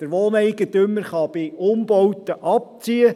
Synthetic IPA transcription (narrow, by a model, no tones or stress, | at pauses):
d̪̥əɾʋoːnɛjɡ̥ət̪ɵmːəɾχɑb̥ɪʊmb̥ɔwtəʔɑp̚t͡siə